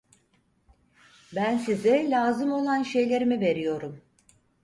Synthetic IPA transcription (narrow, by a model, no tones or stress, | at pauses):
bænsizɛlʲaːzɯmo̞lˠanʃe̞jlʲe̞ɾimive̞ɾijo̞ɾum